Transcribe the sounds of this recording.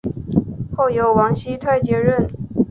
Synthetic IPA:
xo˥˩ʊjo˧˥ʊwɑ˧˥ŋɕi˥t̪ʰa˥˩ɪt͡ɕjɛ˧˥ɻə˥˩n

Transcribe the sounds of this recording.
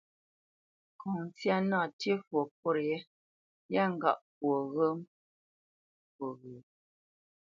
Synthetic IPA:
kɔ˨ŋ˦t͡sja˦na˦˨tji˦fwo˨p̚o˦ɾjɛ˦ | ja˦˨ŋ̩˦˨ɡa̰˦˨ʔpwo˨ɣə˦m | pwo˨ɣə˨

